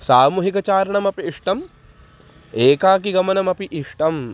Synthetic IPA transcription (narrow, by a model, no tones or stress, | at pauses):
saːmuːɦikɐt͡ʃaːɾɐɳɐmɐpiːʂʈɐm | eːkaːk̬iɡɐmɐnɐmɐpiʔiʂʈɐm